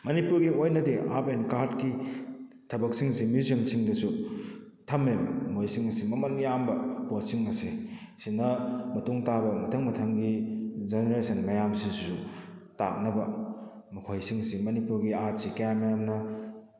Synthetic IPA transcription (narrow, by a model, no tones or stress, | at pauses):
mɐnipuɾɡiojnɐdeʔa̰penkaɾdki | tʰɐbɐk̚siŋsimizɐŋsʰiŋdɐsu | tʰɐmemːojsiŋɐsimɐmɐnjambɐposiŋɐsi | sinɐmɐtuŋtabɐmɐtʰɐŋmɐtʰɐŋɡid͡ʒeneɾesɐnmɐjamsissuta̰k̚nɐbɐ | mukʰojsiŋɐsimɐnipuɾɡiat̚sikɐjammːɐjamnɐ